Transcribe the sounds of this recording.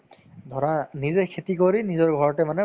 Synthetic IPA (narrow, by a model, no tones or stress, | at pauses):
d̪ʱɔɹanizɛkʰetikoɹinizɔɹɡʱɔɹɔtɛmanɛ